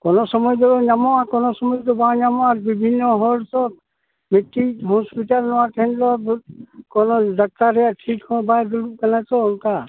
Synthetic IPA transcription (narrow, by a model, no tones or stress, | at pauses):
kɔnɔsɔmɔjd̪ɔɾɔɲamɔakɔnɔsɔmɔjd̪ɔbãɲamɔaɾbibʱinːɔɦɔɖsɔ | mitːiɦɔspiʈalnɔwaʈɛɛnd̪ɔ | kɔnɔd̪ak̚t̪aɾɛjaʈʰikɔ̃bajd̪ulukanatɔɔnka